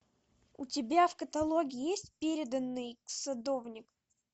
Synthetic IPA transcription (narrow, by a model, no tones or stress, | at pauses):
ʊtʲɪbʲafkət̪ɐlˠoɡʲɪjesʲtʲpʲeɾʲɪd̪ənːɨjsɐd̪ovnʲɪk